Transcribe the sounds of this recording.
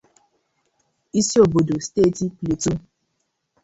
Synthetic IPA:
i˦si˦o˨bo˨do˨steː˦˨ti˦ple˨tu˦

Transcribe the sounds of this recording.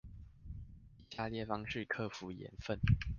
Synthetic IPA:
i˨˩ɕja˥˧ljɛ˥˩fɑ˥ŋʂɻ̩˥˨kʰɤ˥˨fu˨˦jɛ̰˨˧˦nfə˥˨n

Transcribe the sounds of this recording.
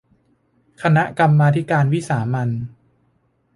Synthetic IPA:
kʰa˧na˦˥ʔka˧mːaː˧t̪ʰi˦˥kaː˧nwi˦˥saː˩˦ma˧n

